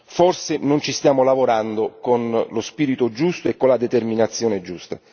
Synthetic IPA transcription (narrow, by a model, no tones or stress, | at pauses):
forsɪnʊnt͡ʃist̪jaːmolavoɾand̪okonlospiːɾit̪od͡ʒust̪oekːonlad̪et̪erminat̪sːjoːned͡ʒust̪a